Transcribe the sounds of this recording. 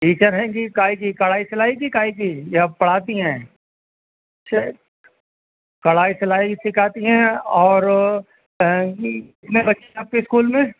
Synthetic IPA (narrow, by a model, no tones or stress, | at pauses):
ʈiːt͡ʃəɾɦɛ̃ːɡikaːik̬ikɐɽaːisɐlaːik̬ikaːik̬ijapɐɽ̤aːt̪iɦɛ̃ː | ɐtːʃʰa | kɐɽaːisɐlaːikisɪkʰaːt̪iɦɛ̃ɔːɾ | ɪt̪nebɐtːʃʰeaːp̚keɪskuːlmẽː